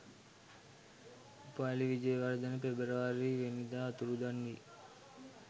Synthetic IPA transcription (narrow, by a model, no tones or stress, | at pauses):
upaːliʋid͡ʒɐjɐʋɐɾd̪ɐnɐpebɐɾɐʋaɾiʋenid̪aːɐt̪uɾud̪ɐnːi